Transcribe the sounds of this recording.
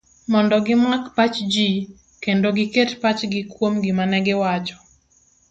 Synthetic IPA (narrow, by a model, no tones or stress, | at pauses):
mɔndɔɡɪmakpat͡ʃd͡ʒi | kendoɡɪketpat͡ʃɡɪkwomɡɪmanɛɡɪwat͡ʃɔ̥